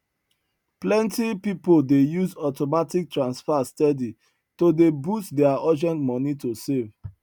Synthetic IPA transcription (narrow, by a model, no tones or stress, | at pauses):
plɛ̃ntipipoldejuzɔtomatik̚tɹãnsfastɛdi | todebustdɛaɔd͡ʒɛ̃ntmɔ̃nitosev